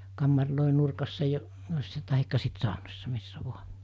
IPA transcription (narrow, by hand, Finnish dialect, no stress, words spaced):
kɑmːɑrloˑe nurkɑsːɑ jo tɑhikːɑ sit sɑˑonosːɑ misːæ ʋuɑ